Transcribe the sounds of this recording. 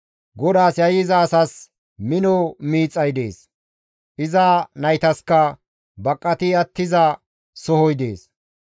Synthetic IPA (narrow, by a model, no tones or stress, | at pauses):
ɡɔd̪aːsjɐjɪzɐːsɐs | mɪnɔmiːt͡sʼːɐjd̪e̞̰ːs | ʔɪzanɐjt̪ɐskɐ | bɐkʼːɐt̪ɪɐt̪ːɪzɐ | sɔhɔjd̪ḛːs